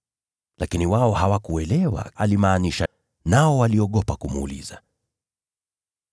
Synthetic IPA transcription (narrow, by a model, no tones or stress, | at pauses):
lakiniwaɔhawakuɛlɛwa̰ʔalimaːniʃa | naɔwaliɔɠɔpakumṵːlḭza